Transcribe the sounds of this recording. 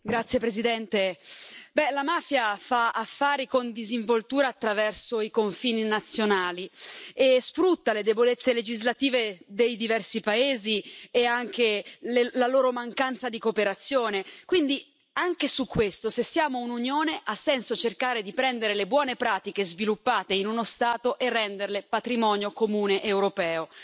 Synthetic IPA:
ɡɾat̪sːjepɾezid̪ɛnt̪ebɛlamaːfjafaafːaːɾikond̪iziɱvolt̪uːɾaːt̪ːɾavɛrsoikoɱfiːninat̪sːjonaːliesfɾut̪ːaled̪ebolet̪sːeled͡ʒizlat̪iːved̪ejd̪ivɛrsipaeːzieaŋk̟ellaloːɾomaŋkant̪sad̪ikopeɾat̪sːjoːnekwind̪i | aŋkesukːwest̪osesːijaːmoununjoːneʔasːɛnsot͡ʃerkaːɾed̪ipɾɛnd̪eɾelebwɔːnepɾaːt̪ikezvilupːaːt̪einunost̪aːt̪oʔerːɛnd̪erlepat̪ɾimɔːnjokomuːneʔewɾopɛːo

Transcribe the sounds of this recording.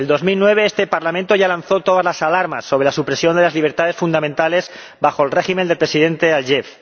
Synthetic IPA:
eld̪o̞zmilnwe̞β̞e̞est̪epaɾlamẽnt̪o̞ʝalanθo̞t̪o̞ð̞azlasalaɾma̰sːo̞β̞ɾe̞lasupɾe̞sjo̞nd̪e̞lazliβ̞e̞ɾt̪aðe̞sfund̪amẽnt̪ale̞z | baxo̞lre̞ximend̪epɾesiðe̞nt̪e̞alʝef

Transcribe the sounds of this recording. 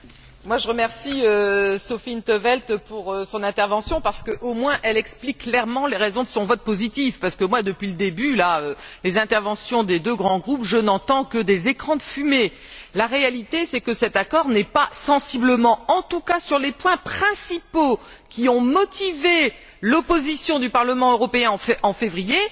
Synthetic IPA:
mwaʒəʁəmɛʁsiøsɔfint̪əvɛlt̪puʁøsɔ̃nɛ̃t̪ɛʁvɑ̃sjɔ̃paʁsə̥kəʔomwɛ̃ʔɛlɛksplikːlɛʁmɑ̃leʁezɔ̃d̪əsɔ̃vɔt̪̚pozit̪ifpaʁsə̥kəmwad̪əpɥiləd̪ebylaølezɛ̃t̪ɛʁvɑ̃sjɔ̃d̪ed̪øɡʁɑ̃ɡʁupʒənɑ̃t̪ɑ̃kəd̪ezekχɑ̃d̪əfyme | laʁealit̪esɛkəsɛt̪akɔʁnɛpasɑ̃sibləmɑ̃ɑ̃t̪ukasyʁlepwɛ̃pχɛ̃sipo | kʲiɔ̃mɔt̪ive | lɔpozisjɔ̃d̪ypaʁləmɑ̃øʁɔpeɛ̃ɑ̃fʔɑ̃fevʁije

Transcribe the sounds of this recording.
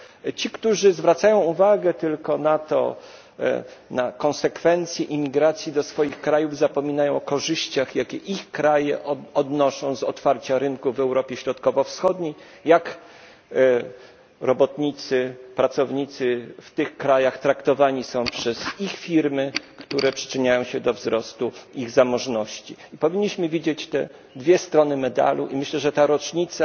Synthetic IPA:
t͡ɕikt̪uʐɘzvɾat̪sajɔ̃w̃uvaɡɛt̪ɘlkɔnat̪ɔ̰ | nakɔ̃nsɛkfɛnt̪sʲjɛʔimʲːiɡɾat̪sʲjid̪ɔsfɔjixkɾajuvzapɔmʲinajɔ̃w̃ɔkɔʐɘɕt͡ɕaxjakʲɛʔixkɾajɛɔd̪nɔʂɔ̃w̃zɔt̪faɾt͡ɕaɾɘnkuvɛwɾɔpʲjɛɕɾɔt̪kɔvɔfsxɔd̪ɲej | jak | ɾɔbɔt̪ɲit̪sɘpɾat̪sɔvɲit̪sɘft̪ɘxkɾajaxt̪ɾakt̪ɔvaɲisɔ̃w̃pʂɛzixfʲiɾmɘkt̪uɾɛpʂɘ̥t͡ʂɘɲajɔ̃w̃ɕɛd̪ɔvzɾɔst̪uiɣzamɔʐnɔɕt͡ɕiipɔvʲiɲːiɕmɘvʲid͡ʑet͡ɕt̪ɛ̰ | d̪vʲjɛst̪ɾɔnɘmɛd̪a̰luʔimɘɕlɛʐɛt̪aɾɔt͡ʂɲit̪sa

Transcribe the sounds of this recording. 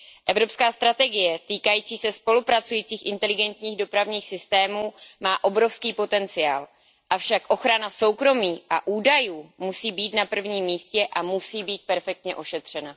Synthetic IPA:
ʔɛvɾo̞pskaːst̪ɾat̪ɛɡɪjɛt̪iːkajiːt͡siːsɛspo̞lupɾat͡sujiːt͡siːxʔɪnt̪ɛlɪɡɛnt̪ɲiːɣdo̞pɾavɲiːxsɪst̪ɛːmuːmaːʔo̞bɾo̞fskiːpo̞t̪ɛnt͡sɪjaːl | ʔafʃakʔo̞xɾanaso̞wkɾo̞miːʔa̰ʔuːdajuːmusiːbiːt̪napr̩vɲiːmːiːscɛʔamusiːbiːt̪̚pɛɾfɛk̚t̪ɲɛʔo̞ʃɛt̪r̝̥ɛna

